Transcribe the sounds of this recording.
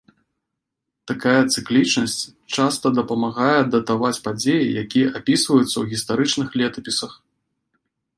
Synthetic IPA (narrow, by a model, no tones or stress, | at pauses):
t̪akajɐt̪sɨklʲit͡ʂnɐsʲt͡sʲ | t͡ʂast̪ɐd̪ɐpɐmaɣajɛd̪ɐt̪avat͡sʲpad͡zʲejijakʲijɛʔapʲisvɐjut̪sːɐwɣʲist̪aɾɨt͡ʂnɨxlʲɛt̪ɐpʲisɐx